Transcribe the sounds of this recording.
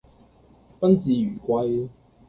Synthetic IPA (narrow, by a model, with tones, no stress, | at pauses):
pɐ˥nt͡siː˨yː˨˩kʷa˧j